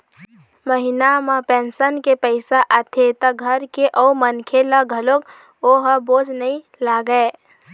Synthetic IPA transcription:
məɦinamãpeːnsənkepəɪsaʔət̪ʰet̪əɡʱəɾkeʔɔumənkʰelaɡʱəlok | oɦəboːd͡ʒʱnəĩ | laɡəe

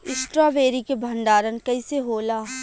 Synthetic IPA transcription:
ɪsʈɾaːʋeːɾikebʱɐ̃nd̪aːɾənkɐiseɦoːlaː

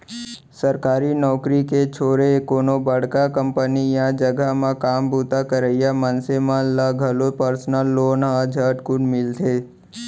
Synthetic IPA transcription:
səɾkaːɾinɔːkɾiket͡ʃʰoːɾekoːnobəɽ̤kakə̃mpənijãd͡ʒəɡʱamãkaːmbuːt̪akəɾəjamənsemãlaɡʱəlopəɾsnəlːoːnɦad͡ʒʱəːʈkʊnmɪlt̪ʰeː

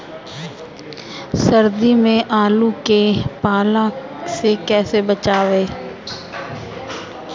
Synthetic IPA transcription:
sɐɾd̪imẽʔaːlukepaːlãsekɛːsebət͡ʃaːʋeː

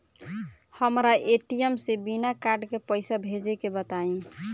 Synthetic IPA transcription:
həmɾaʔeʈijemsebinakaɾɖkepəɪsabʱed͡ʒɛkebət̪aĩ

